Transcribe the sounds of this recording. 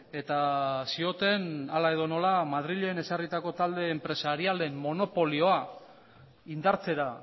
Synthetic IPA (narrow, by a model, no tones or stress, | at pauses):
e̞t̪asio̞t̪e̞nalae̞ðo̞no̞lamað̞ɾiʎe̞ːne̞sarit̪ako̞t̪ald̪e̞ːmpɾe̞saɾiale̞mmo̞no̞po̞lio̞a | ind̪aɾt͡se̞ɾa